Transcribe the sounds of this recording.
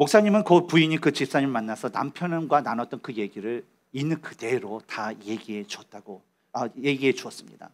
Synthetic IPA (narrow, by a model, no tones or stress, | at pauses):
mok̚s͈aɲimɯnkʌt̚puiɲikɯt͡ɕip̚s͈aɲimɭmanːasʰʌna̰mpʰjʌnnɡwananʌt͈̚ʌnkɯje̞ɡiɾɯɭ | inːɯnkɯde̞ɾotaje̞ɡie̞t͡ɕwʌt̚t͈aɡo | aje̞ɡiɦe̞t͡ɕuʌs͈ɯmɲḭda̰